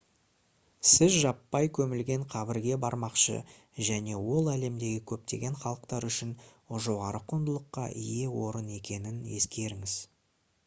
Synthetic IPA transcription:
sɪzʒɑpːɑjkʲʰɵmɪlɡʲe̞ɴqʰɑbɪɾɡʲe̞bɑɾmɑqʃə̰ | ʒæne̞wo̞lˠæle̞md̪e̞ɡʲɪkʲʰɵp̚t̪e̞̰ɡʲe̞ɴχɑlˠəqt̪ɑɾʏʃɪn | ʒo̞ʁɑɾəqʰond̪əlˠəqːɑ̰ʔije̞wo̞ɾəne̞kʲe̞nɪne̞̰skʲe̞ɾɪŋɪz̥

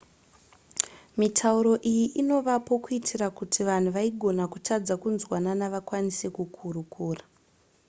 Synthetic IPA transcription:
mitʰauɾo̞ʔijiʔino̞ʋapo̞kuitʰirakutʰiʋan̤uʋaiɡʱo̞nakutʰad͡zakunzwananaʋakwanise̞kukʰuɾukuːra

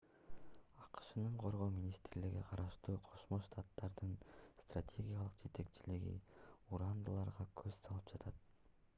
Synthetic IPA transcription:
ɑqɯ̥ʃɯnɯɴqʰo̞ɾʁo̞ːmʲinʲist̪ɾliɡḭqʰɑɾɑʃt̪uːqʰo̞ʃmo̞ʃt̪ʰat̪ːɑɾd̪ɯnst̪ratʲʰe̞ɡʲijalˠɯqd͡ʒe̞t̪e̞kt͡ʃʰiliɡḭuɾand̪ɯlˠɑɾʁɑkʰøz̥sɑlˠɯpd͡ʒɑt̪ʰɑt̪

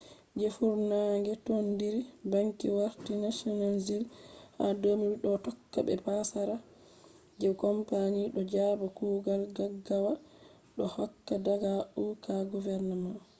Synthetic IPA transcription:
d͡ʒefuɾnaŋɡɛtɔndiɾibaŋkiwaɾtinasɔnalzilha̰domiiɗɔtɔkːa̰bɛ̰pasaɾa | d͡ʒɛwkɔmpaɲiɗɔd͡ʒabɔkuːɡalɡaɡawa | ɗɔhɔkːadaɡaʔukaɡuvɛɾnama

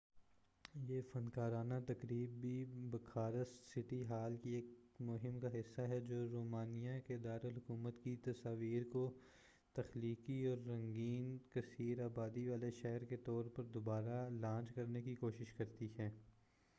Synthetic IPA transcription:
jeːfɐnkaːɾaːnat̪ɐkɾiːbːibɐkʰaːɾəsɪʈiɦaːlkieːkmʊɦɪmkaɦɪsːaɦɛd͡ʒoːɾoːmaːnijakeɪd̪aːɾəlɦʊkuːmət̪kit̪ɐsaːʋiːɾko | t̪ɐxliːkiɔːɾːɐ̃ŋɡiːnkɐsiːɾaːbaːd̪iʋaːleʃɛɦɾket̪ɔːɾpɐɾd̪obaːɾalãːt͡ʃkɐɾnekikoːʃɪʃkɐɾt̪iɦɛː

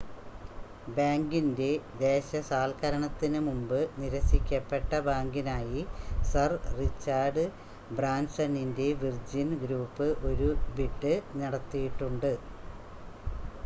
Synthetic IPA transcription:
baːŋɡinde̞d̪e̞ːɕɐsaːlkɐɾɐɳɐt̪ːinɨmumbɨniɾɐsikʲːɐpːe̞ʈːɐbaːŋɡinaːjisɐrrit͡ɕːaːrɖɨ | braːnsɐninde̞ʋird͡ʑinɡɾuːpːɨʔo̞ɾubiʈːɨnɐɽɐt̪ːijiʈːuɳɖɨ

